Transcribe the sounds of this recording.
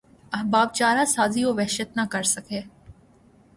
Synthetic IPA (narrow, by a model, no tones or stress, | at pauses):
ɐɦbaːb̚t͡ʃaːɾasaːzioʋɛːʃət̪nakɐɾsɐkeː